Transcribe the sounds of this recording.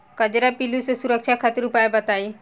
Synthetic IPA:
kəd͡ʑɾapilusəsuɾəkʃʰakʰat̪iɾupajbət̪ai

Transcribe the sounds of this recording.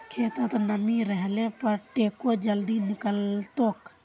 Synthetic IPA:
kʰeːt̪ət̪nəmĩɾɛɦlepəɾʈeːkod͡ʒəld̪inɪkəlt̪oːk

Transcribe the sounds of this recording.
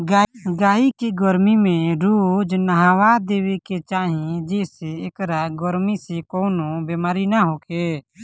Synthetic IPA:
aɡaːikeɡɔɾmimẽɾoːd͡ʒnəɦaːwad̪eːweket͡ʃaːɦẽd͡ʒeːseeːkɾaɡɔɾmisekoːnobemaːɾinaɦoːke

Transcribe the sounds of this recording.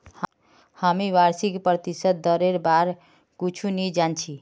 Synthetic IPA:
h | hamiʋaɾsikpɾət̪isət̪̚d̪əɾeɾbaɾ | kut͡ʃʰunid͡ʒant͡ʃʰi

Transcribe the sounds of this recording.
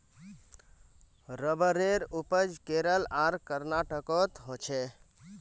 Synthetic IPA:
ɾəbəɾeɾupəd͡ʒkeɾəlaɾkəɾnaʈəkɔt̪ɦot͡ʃʰɛ

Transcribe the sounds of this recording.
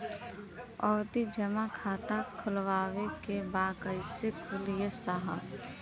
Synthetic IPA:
ɔːɾt̪id͡ʒəmakʰaːt̪akʰʊlwaːwekebaːkəɪsekʰʊljesaɦə̰b

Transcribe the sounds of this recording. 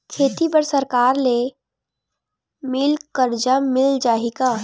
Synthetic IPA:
kʰeːt̪ibəɾsəɾkaːɾle | mɪlkəɾd͡ʒamɪld͡ʒaːika

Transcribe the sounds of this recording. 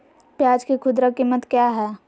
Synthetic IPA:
pjaːd͡ʒkekʰʊd̪ɾakɪmːət̪kjaːɦɛː

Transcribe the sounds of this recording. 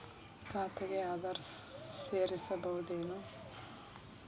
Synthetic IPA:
kaːt̪ɐɡeaːd̪ɐɾseːɾisɐbɐɦud̪eːnu

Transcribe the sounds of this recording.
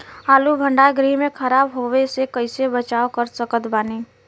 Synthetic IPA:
aːlubʱə̃ɳɖaɡɾimẽkʰəɾaːbɦoːʋesekəɪsebət͡ʃaːokəɾsəkət̪baːne

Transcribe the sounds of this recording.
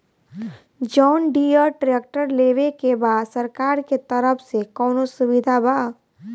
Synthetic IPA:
d͡ʒɔːnɖiəʈɾeːk̚ʈəɾleːʋekebaːd̪səɾkaːɾket̪əɾəfsekɔːnosʊwɪd̪ʱabaː

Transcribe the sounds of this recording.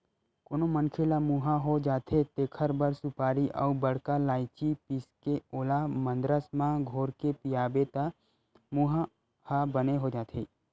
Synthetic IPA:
koːnomənkʰelamuɦaɦod͡ʒaːt̪ʰet̪eːkʰəɾbəɾsʊpaːɾiʔɔ̰ːbəɽ̤kalaːɪt͡ʃipɪskeoːlamə̃nd̪ɾəsmãɡʱoːɾkepijaːbet̪a | muɦa | habəneɦod͡ʒaːt̪ʰeː

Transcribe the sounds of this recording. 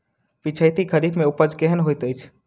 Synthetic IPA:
pɪt͡ʃʰəjt̪iɡəɾibmẽʊpəd͡ʒkeɦənɦoit̪əjt͡ʃʰ

